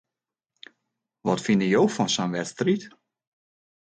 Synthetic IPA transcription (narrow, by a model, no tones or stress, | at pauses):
ʋɔtfinəjowfɔnsɔnʋɛtstrit